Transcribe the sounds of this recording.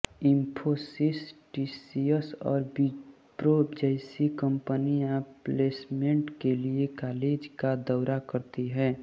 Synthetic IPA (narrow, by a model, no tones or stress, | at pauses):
ɪ̃mpʰosɪsʈiːsiəsɔ̰ːɾb | pɾoːbd͡ʒaɪsikə̃mpəniãpleːsmẽɳʈkeliekaːleːd͡ʒkad̪ɔːɾakəɾt̪iɦɛː